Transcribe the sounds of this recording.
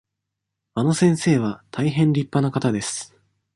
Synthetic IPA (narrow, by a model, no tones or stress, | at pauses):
ano̞sẽ̞ɰ̃se̞ːβ̞at̪ʰaiɦẽ̞nɾʲipːanakat̪ad̪e̞sɨ̥